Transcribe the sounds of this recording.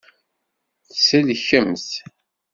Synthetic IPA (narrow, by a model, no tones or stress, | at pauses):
θsælçəmθ